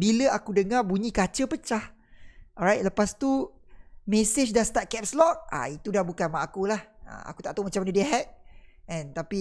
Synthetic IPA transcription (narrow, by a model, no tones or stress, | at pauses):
biləakudəŋabuɲikat͡ʃəpət͡ʃah | ʔɔɹajt̪̚ləpast̪u | mesɪt͡ʃdast̪at̪̚kɛp̚slɔk̚a̰it̪udahbukanmaʔakulahə̰a̰ku̥t̪aʔt̪omat͡ʃamanədiɦɛt̪̚ɛ̃nt̪api